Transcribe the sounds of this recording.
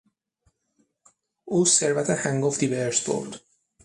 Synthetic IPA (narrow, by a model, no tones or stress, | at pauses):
uːseɾvæt̪ʰehæŋɡofd̪iveɾsbo̰ɾd̪̥